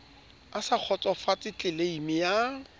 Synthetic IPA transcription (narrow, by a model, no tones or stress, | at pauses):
asak͡xʰɔt͡sʼɔfat͡sʼɪt͡ɬʼɪleimɪja